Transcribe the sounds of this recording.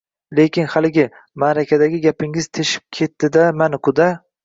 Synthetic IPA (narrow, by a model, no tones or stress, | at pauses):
lekʲʰɪnhalɪɡʲɪ | maɾakʲʰad̪aɡʲɪɡʲapɪŋɪz̥t̪ʰeʃɪ̥p̚kʲʰe̞t̪ːɪd̪amanɪkʊd̪a